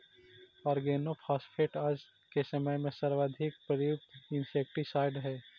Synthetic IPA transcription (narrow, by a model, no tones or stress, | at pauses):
ɔːɾɡeːnopʰaːspʰeːʈaːd͡ʒ | kesɐməjmẽsɐɾʋaːd̪ʱɪk̚pɾəjʊk̚t̪ɪ̃nseːk̚ʈisaːɪɖɦɛː